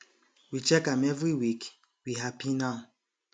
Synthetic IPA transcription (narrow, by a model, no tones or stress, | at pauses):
wit͡ʃɛkãmɛvɹiwik | wiɦapinãʊ